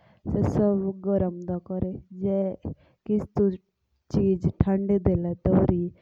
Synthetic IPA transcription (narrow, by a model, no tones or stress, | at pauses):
sɛsəbɡəɾəmd̪akɔɾed͡ʒɛː | kɪst̪u | t͡ʃiːd͡ʒʈʰãɳɖed̪eːlɛt̪ɔɾiː